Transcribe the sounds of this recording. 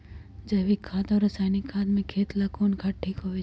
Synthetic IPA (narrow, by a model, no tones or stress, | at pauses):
d͡ʒɐʋikʰːaːt̪ɔːɾɐsaːjnikʰːaːd̪mẽkʰeːt̪lakoːnkʰaʈʰːiːkɦoːʋe